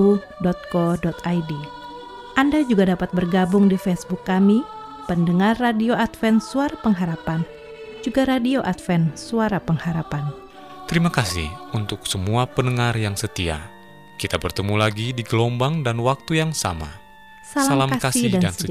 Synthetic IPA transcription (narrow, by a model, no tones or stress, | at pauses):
u | dɔt̪̚kɔdɔt̪ajdi | ʔandad͡ʒuɡadapat̪̚bərɡabʊŋdifɛsbʊkːami | pəndəŋarːadioat̪fɛnsuaɾapəŋɦaɾapan | d͡ʒuɡaɾadioʔat̪fɛnsuaɾapəŋhaɾapan | t̪əɾimakasḭhunt̪ʊksəmuapənəŋarjaŋsət̪ia̰ | kit̪abərt̪əmulaɡidiɡəlɔmbaŋdanwak̚t̪ujaŋsa̰ma̰ | salaalmakakasɪidandan